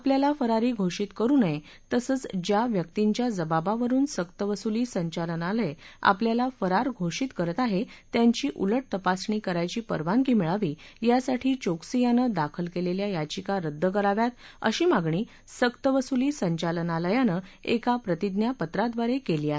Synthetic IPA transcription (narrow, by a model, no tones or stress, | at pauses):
apljalafəɾaɾiːɡʱoʂiːt̪kəɾuːnəe | t̪əsəːt͡sd͡ʑjaʋjəkt̪iɲt͡ɕjad͡zəbabaʋəɾuːnsəkt̪əʋəsuliːsəɲt͡ɕalənaləea̰pljalafəɾaɾɡʱoʂiːt̪kəɾət̪aɦet̪jaɲt͡ɕiːʔuləʈ̚t̪əpasɳiːkəɾajt͡ɕiːpə̰ɾʋaŋkiːmiɭaʋiːjasaʈʰiːt͡ɕoksijanəd̪akʰəlkeleljajad͡ʑikaɾəd̪ʱːək̬əɾaʋjat̪ə̰ɕiːmaɡɳiː | səkt̪əʋəsuliːsəɲt͡ɕalənaləjanəekapɾət̪id̪njapət̪ɾad̪ʋaɾekeliːaɦe